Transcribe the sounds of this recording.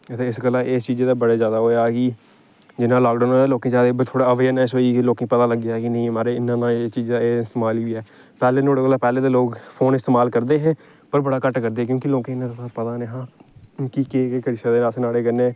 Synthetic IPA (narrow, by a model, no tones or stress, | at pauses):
t̪eːɪsɡəlãːʔeːst͡ʃiːd͡ʒeːd̪aːbəɽaːzjaːd̪aːɦoːjaːkɪ | d͡ʒɪnãːlaːkɖoːnːeːloːkẽːd͡ʒaːd̪ebt̪ʰoːɽaːəʋeːənɛːsoiːkloːkẽpət̪aːləɡːjaːkɪnəĩːmaːɾeːɪnãːnãːeːt͡ʃiːd͡ʒd̪aːeːɪst̪eːmaːliːɛː | pɛːleːnʰoːɽeɡəlaːpɛːleːd̪aːloːkpʰoːnɪst̪eːmaːlkəɾd̪eːɦɛ̃ː | pəɾbəɽaːkəʈkəɾd̪eːk̬jõːkɪloːkẽɪnãt̪apət̪aːneːɦãːkikeːkeːkəɾɪsaːd̪eːnaːsnaːɽeːkənẽː